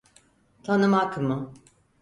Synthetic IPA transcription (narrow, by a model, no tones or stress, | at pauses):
t̪ʰanɯmakmɯ